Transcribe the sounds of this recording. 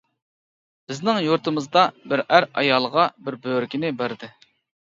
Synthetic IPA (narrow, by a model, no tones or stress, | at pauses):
b̥ɪznɪŋjuɾt̪ʰɨmɨzd̪ɑbɪɾæɾɑ̰jɑlˠʁɑbɪɾbøɾɪkʲʰinɪbæɾd̪ɪ